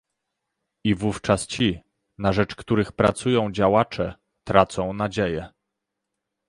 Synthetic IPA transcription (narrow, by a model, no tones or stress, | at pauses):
ivuft͡ʂast͡ɕi | naʐɛt͡ʂkt̪uɾɘxpɾat̪sujɔ̃w̃d͡ʑawat͡ʂɛ | t̪ɾat̪sɔ̃w̃nad͡ʑejɛ